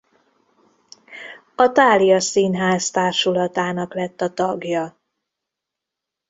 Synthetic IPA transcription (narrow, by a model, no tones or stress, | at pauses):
ɒt̪aːlijɒsiːnɦaːst̪aːrʃulɒt̪aːnɒklɛt̪ːɒt̪ɒɡjɒ